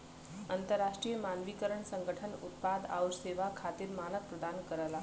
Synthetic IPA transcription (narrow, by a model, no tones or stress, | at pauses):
ənt̪əɾːaʂʈɾijəmanʋikəɾəɳsəŋɡʱəʈʰənut̪̚pad̪a̰wɾseʋakʰat̪iːɾmanəkpɾəd̪ankəɾala